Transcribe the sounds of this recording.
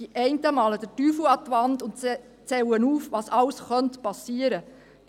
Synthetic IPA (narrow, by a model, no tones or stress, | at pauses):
iʔɛɪntəmɑːləd̥ətyːfluɑt̪ʋɑnd̪ʊnt | t͡sɛwənuːfʋɑːsɑwsχœntpɑsiəɾə